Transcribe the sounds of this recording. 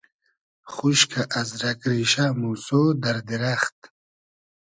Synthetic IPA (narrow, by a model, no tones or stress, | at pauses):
χuɕkʰaʔɐzɾakɾiɕamusod̪ɐɾd̪iɾaχt̪̚